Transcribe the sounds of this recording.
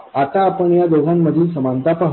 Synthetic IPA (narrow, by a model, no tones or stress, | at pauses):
at̪aːpəɳjad̪oɡʱanməd̪ʱiːlsəmant̪apaɦ